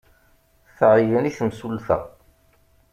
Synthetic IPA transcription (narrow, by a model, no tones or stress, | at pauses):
θəʁjəniθəmsulθæ̰